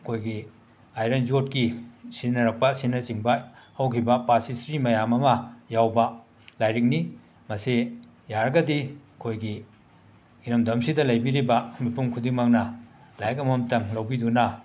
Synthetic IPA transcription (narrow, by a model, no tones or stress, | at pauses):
ɐkʰojɡi | ajɾend͡ʒot̚kisinɐɾɐk̚pɐsinɐt͡ʃiŋbɐhɐwkʰibɐpasisɾimɐjamɐmɐjawbɐ | lajɾik̚ni | mɐsi | jaɾɐɡɐdi | kʰojɡi | iɾɐmdɐmsidɐlɐjbiɾibɐmipʰuŋkʰudiŋmɐk̚nɐ | lajkɐmɐmtɐŋlɐwbidunɐ